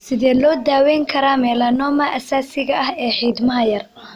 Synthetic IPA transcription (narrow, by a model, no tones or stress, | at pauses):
sɪðɛːlɔːd̪aːwɛjŋkʰɐɾaːmɛːlɐnɔːmɐʔɐsaːsɪɣɐʔɐhɛːħiːd̪mɐɦɐjɐr